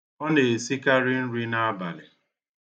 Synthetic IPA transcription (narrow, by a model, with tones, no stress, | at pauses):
ɔ˦ne˨si˦ka˦ɾi˦n̩˦ɾi˦na˦a˦ba̰˨lɪ˨